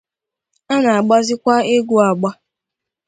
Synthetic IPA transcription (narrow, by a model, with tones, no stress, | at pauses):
a˦na˨a˨ɡ͡ba˦zɪ˦kʷa˦e˦ɡu˦a˨ɡ͡ba˦